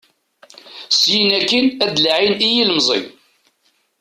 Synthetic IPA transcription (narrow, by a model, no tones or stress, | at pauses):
sjinækːinæd̪lʕinijiləmzˤḭ